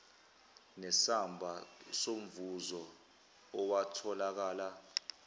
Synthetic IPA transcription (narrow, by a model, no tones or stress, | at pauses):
nɛsambʱasom̩vuzɔː | watʰɔlak̬aːla